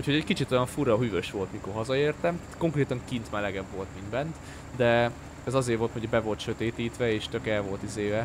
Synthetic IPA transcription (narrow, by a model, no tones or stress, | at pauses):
uchoɛɟkit͡ʃit̪o̞jɒɱfurɒɦyvøʃʋo̞lt̪miko̞rɦɒzɒeːrt̪ɛmt̪at̪ko̞ŋkreːt̪ɒŋkint̪mɛlɛɡɛbvo̞lt̪minbɛnt̪ | d̪ɛ | ɛzɒzeːrvo̞lt̪moɟɔbɛvo̞lt̪ʃø̞t̪eːt̪iːt̪ʋɛeːʃt̪ø̞kɛlvo̞lt̪izeːvɛ